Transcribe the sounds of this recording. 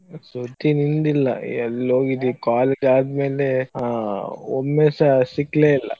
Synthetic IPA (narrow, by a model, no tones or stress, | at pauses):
sut̪ːinind̪ilːɐ̰ɛlːoːɡid̪ikaːleːd͡ʒaːd̪me̞ːle | o̰mːeːsɐsikleːilːɐ̰